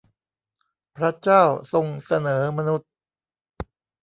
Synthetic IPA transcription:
pʰɾa˦˥t͡ɕaː˥˩wso˧ŋsa˧nɤː˩˦ma˧nu˦˥t̪̚

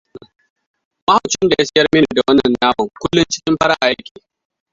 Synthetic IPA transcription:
ma˦ha˨wt͡ʃnda˨ja˦sɪ˦jɐ˦rmɪ˦n˨i˨da˨wɐ˦nːɐ˨nːaː˦wu˨kʷʊ˦lːʊ˦nt͡ʃɪ̥˦kʲɪ˦mɸɐ˦ɽa˦ʔa̰˨ʔa˦kʲiː˨

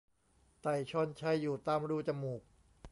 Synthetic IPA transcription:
t̪a˨˩jt͡ɕʰɔ˧˥˩nt͡ɕʰa˧˥˩jːuː˨˩t̪aː˧˥˩mɾuː˧˥˩t͡ɕa˧muː˨˩k̚

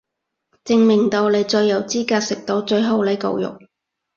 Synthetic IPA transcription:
t͡sɪ˧ŋmɪ˨˩ŋt̪o˧wle˨˧jt͡ʃɵ˧jːɐ˨˩wt͡siː˥kaː˧t̚sɪ˨k̚t̪o˧wt͡ʃɵ˧ɥɦo˨˥wle˨˥jkɐ̰˨wjʊ̰˨k̚

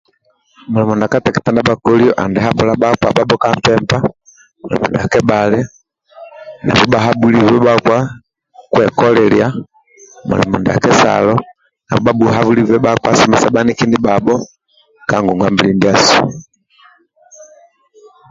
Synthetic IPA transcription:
mu˨lɛ˨mɔ˨nda˨ka˦ta˨ki˨ta˨nda˦bakɔ˦liɔ˦ʔa˨ndɛɦa˦bu˨laba˦kwa̰˨ba˦bɔ˦kampɛmba˦ | mu˨lɛ̰˨mɔ̰˨ndɛ˨a˨kɛ˦balɛ˦ | na̰˨vɔ˦baɦa˦bu˦livɛ˦ba˦kwa˦ | kwɛ˨kɔ˦lɛlja˦ | mṵ˨lɛ̰˨mɔ˨ndɛ˨a̰˨kɛ˦sa̰lɔ˦ | na̰˨βɔ˨ba˦buɦa˦vu˦li˦vɛ˦bakwa˦sɔ˦mɛ˨sa˦ba˦niki˦ndi˦babɔ˦ | kaŋɡuŋɡwambilindia˦su̥˨

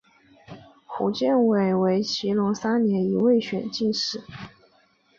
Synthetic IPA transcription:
xṵ˨˩t͡ɕjɛ˥˩nwe˥˩ɪwe˧˥ɪt͡ɕʰi˧˥lʊ˧˥ŋsa˥njɛ˧˥ni˧˥we˥˩ɪɕɥɛ˨˩nt͡ɕi˥˧nʂɻ̩˥˩˦

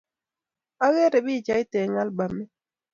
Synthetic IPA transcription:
a˦ɣe˦ɾɛ˨bɪ˦˨t͡ʃa˨ɪ˦tɛ˨ŋa˦lba˨mːɛ˦

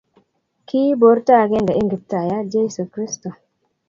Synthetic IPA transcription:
kʰi˦bo˨˦ɾta˦˨ɡe˦ŋɡa˨i˦ŋɡi˨ta˨ja˦d͡ʒe˦su˨kɾi˦sto˨

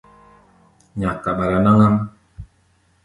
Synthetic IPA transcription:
ɲa˨kːa˨ɓa˨ɾa˨na˦ŋa˦m

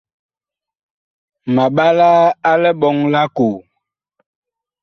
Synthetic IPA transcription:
ma˨ɓa˦la˦a˦lɛ˦ɓɔ˨˦ŋla˦ko˨

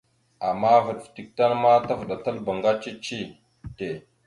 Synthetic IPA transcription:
a˨mːa˦və˨ɗfti˨k̚ta˦nma˦ta˦vɗa˨ta˦lba˨ŋɡa˦t͡ʃi˦t͡ʃi˦ | te˨

